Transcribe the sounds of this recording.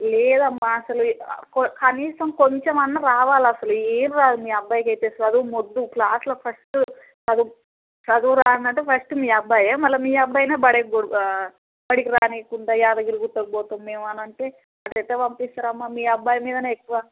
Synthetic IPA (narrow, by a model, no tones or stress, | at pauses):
lɛːd̪ɐmːaːɐsɐlukkɐniːsɐmkoɲt͡ʃemɐnːɐɾaːʋaːlɐsɐlueːnɾaːd̪umiːɐbːaːjkɐjt̪eːsɐɐd̪umod̪ːuklaːslɐpʰɐsʈu | ɐd̪u | sɐd̪uɾaːɐnd̪ɐɳʈepʰɐsʈumiːɐbʱːaːjɐmɐlːɐmiːɐbːaːjneːbɐɽeɡɽ | bɐɽikiɾaːneːkuɳɖ̪aːjaːd̪ɐɡiluɡut̪ːɐkbɔːt̪omːeːmɐnɐɳʈeː | ɐt̪ɐt̪ːeːʋɐmpist̪aːɾɐmːaːmiːɐbːaːjɐmiːd̪ɐnɐekːuʋa